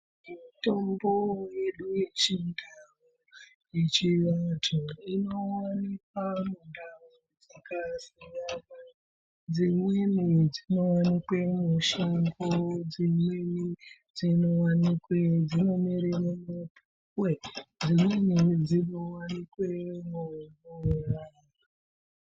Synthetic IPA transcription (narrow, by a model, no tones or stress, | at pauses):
mito̞mbo̞je̞ɗuje̞t͡ʃindawo | jet͡ʃiʋatʰoino̞wanikwamundawo | d͡zakasiŋama | d͡zimwenid͡zino̞wanikwemuʃambod͡zimweni | d͡zino̞wanikwed͡zino̞miɾiremopu | kwed͡zimwenid͡zinowanikwemonoraːja